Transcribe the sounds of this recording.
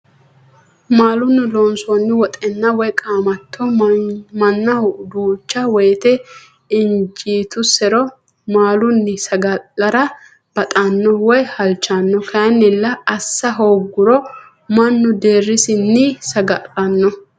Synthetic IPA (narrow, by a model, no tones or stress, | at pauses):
maːlʊnːɪlɔnsɔnːɪwɔt̪ʼɛnːɐwɔjkʼaːmɐt̪ʰːɔmɐnːɐʊd̪uːt͡ʃːɐwɔjt̪ɛ | ɪnd͡ʒiːt̪ʊsɛɾɔ | maːlʊnːɪsɐɡɐɐɾɐ | b̥ɐt̪ʼanːɔwɔjhɐlt͡ʃːanːɔkʰɐjɐnːɪlːɐɐsːɐɦoːɡːʊɾɔ | mɐnːʊd̪eːrːɪsɪnːɪsɐɡɐɐnːɔ